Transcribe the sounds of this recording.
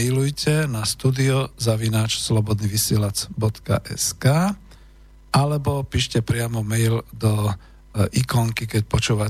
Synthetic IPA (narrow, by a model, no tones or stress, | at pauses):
ɛjlujcɛnast̪uːd̪iɔzaʋinaːt͡ʃslɔbɔd̪niʋisɪɛlat͡sbɔt̪ka̰ʔɛ̰skaː | ʔalɛbɔpiːʃcɛpɾɪamɔmɛjld̪ɔ | ʔikɔŋkikɛc̚pɔt͡ʃuːʋa